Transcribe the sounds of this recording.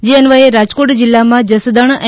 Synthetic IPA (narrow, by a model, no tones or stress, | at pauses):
d͡ʒeənʋəɦeɾad͡ʒkoʈd͡ʒilːamãd͡ʒəsd̪əɳ̃